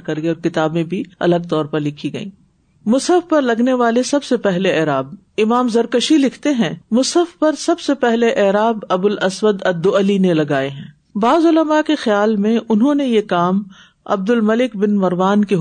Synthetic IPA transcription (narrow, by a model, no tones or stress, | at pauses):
kɐɾɡeɔːɾkɪt̪aːbẽbʱiɐ̰ləɡ̚t̪ɔːɾpɐɾlɪkʰiɡɐḭ̃ː | mʊsəfpɐɾlɐɡneʋaːlesɐbsepɛɦleɛːɾaːb̚ | ɪmaːmzɐɾkəʃilɪkʰt̪eɦɛ̃ːmʊsəfpɐɾsɐbsepɛɦleʔɛːɾaːbɐbʊlɐswəd̪ɐd̪ːoɐlinelɐɡaːeɦɛ̃ː | baːzʊləmakexɪjaːlmẽʔʊnɦõnejekaːm | ɐ̰b̚d̪ʊlmɐlɪkbɪnmɐɾʋaːnke